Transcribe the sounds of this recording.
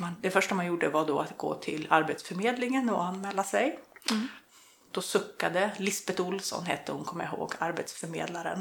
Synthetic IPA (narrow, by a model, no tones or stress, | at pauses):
mand̪ɛfœʂʈamanjuɖəvaɖɔat̪ɡo̰ːt̪ʰɪlaɾbet̪sfœmeːd̪lɪŋənɔanmɛːlːasɛj | d̪̥ɔsɵkːad̪əlɪsbɛt̪ʊlsɔ̰nɦɛt̪ːəhʊnkʰɔmːəjaɦo̰ːɡaɾbet̪sfœɾmḛːd̪laɾə̰n